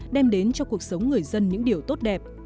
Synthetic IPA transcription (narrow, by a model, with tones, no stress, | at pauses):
ɗɛ˧mɗe˨˦nt͡ɕɔ˧ku˨˩ək̚sə˨˦wŋ͡mŋɨ˨˩əjzə˧nɲɨ̰˧˥ŋɗi˨˩əwt̪o˦˥t̚ɗɛ˨˩p̚